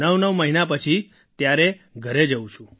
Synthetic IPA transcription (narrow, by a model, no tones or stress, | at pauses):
nəʋnəʋməɦinap̬ət͡ʃʰi | t̪jaɾeɡʱəɾed͡ʒəũt͡ʃʰũ